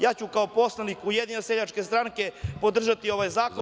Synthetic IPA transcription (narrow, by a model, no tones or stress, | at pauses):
jaːt͡ɕukaopo̞slˠanikujed̪ninoseʎat͡ʃke̞st̪ɾaŋke̞pod̪r̩ʒat̪io̞ʋajzaːkla